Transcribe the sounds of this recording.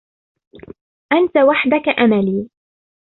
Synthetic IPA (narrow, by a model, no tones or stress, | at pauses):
ʔant̪awaħd̪akaʔamaliː